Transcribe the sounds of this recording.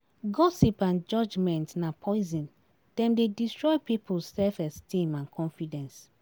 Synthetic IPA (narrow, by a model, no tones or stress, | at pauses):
ɡɔsipãnd͡ʒɔd͡ʒmɛ̃ntnapʰɔɪzɔ̃n | d̥ɛ̃mdedistɹɔjpipulsɛlfɛstĩmãnkʰɔ̃nfidɛ̃ns